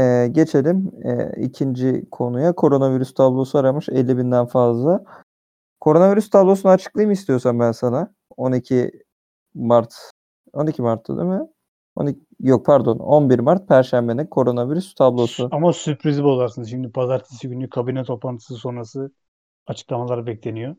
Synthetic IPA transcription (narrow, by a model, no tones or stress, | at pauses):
ɛːɟe̞t͡ʃʰe̞lʲimɛ̰ḭcʰind͡ʒikʰo̞nujakʰo̞ɾo̞naviɾyst̪ʰablˠo̞suaɾamɯʃelʲːibind̪ænfazlˠa | kʰo̞ɾo̞naviɾyst̪ʰablˠo̞sunat͡ʃʰɯ̥klˠajɯmist̪ʰijo̞sambænsana | o̞nicʰi | maɾt̪ | o̞nicʰimaɾt̪ʰːa̰d̪ḭmɛ | o̞̰ni | jok̚pʰæɾd̪o̞no̞nbiɾmaɾt̪̚pʰæɾʃæmbe̞ninkʰo̞ɾo̞naviɾyst̪ʰablˠo̞suamasypɾizbolˠaɾsɯnzʃimd̪ipʰazaɾt̪ʰi̥siɡynʲykʰabinɛt̪ʰo̞plˠant̪ʰɯ̥sɯso̞nɾasɯ | at͡ʃʰɯ̥klˠamalˠaɾbɛclʲe̞nijo